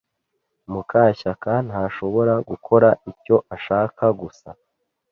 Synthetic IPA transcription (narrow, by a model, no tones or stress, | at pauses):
mukʰaːçakan̥haːʃo̞βo̞ɾaɡukʰo̞ɾaʔico̞ʔaʃaːkaɡusa̰